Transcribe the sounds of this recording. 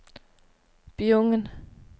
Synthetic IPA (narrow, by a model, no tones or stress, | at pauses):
b̥ioŋən